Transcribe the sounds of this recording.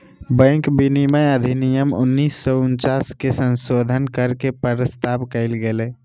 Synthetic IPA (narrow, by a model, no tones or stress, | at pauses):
bə̃ŋkbiniməjəd̪ʱinijəmṵnːisːɔunt͡ʃaskesə̃nsod̪ʱənkəɾkepəɾəst̪abkəɪlɡele